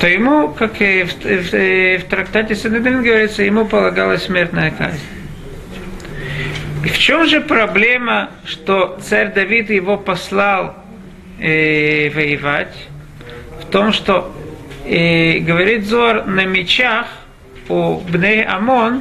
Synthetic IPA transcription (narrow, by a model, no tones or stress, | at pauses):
t̪ojɪmukakf | ft̪ɾɐkt̪atʲɪsɨnd̪ɨd̪vʲinɡəvɐɾʲit̪səjɪmupəlˠɐɡalˠəsʲsʲmʲert̪nəjəka̰zʲnʲ | ft͡ɕomʐɨpɾɐblʲe̞mə | ʂt̪ot̪saɾʲd̪ɐvʲit̪jɪvopɐslˠalˠ | vəjɪvatʲ | ft̪o̞mʂt̪o | ɡəvɐɾʲit̪zoɐrnɐmʲɪt͡ɕax | ubnʲejʔɐ̰mon